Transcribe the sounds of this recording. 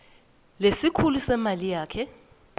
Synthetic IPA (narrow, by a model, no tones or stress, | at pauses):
lesikʰulusɛmalijaːkʰɛ